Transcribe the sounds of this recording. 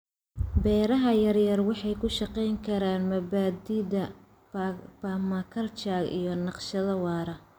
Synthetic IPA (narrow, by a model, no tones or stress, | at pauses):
bɛːɾɐɦɐjɐrjɐrwɑħɑjkʰʊʃɑqɛjŋkʰɐɾaːnmɐbaːd̪iːd̪ɐ | pɐmɐkʰɐrt͡ʃaːɡḭjɞnɑqʃɐðɐwɑːɾɐ